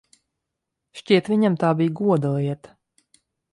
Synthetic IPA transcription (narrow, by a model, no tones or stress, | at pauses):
ʃcʲiɛt̪vʲiɲamt̪aːbijɡuɔd̪alˠiɛt̪ḁ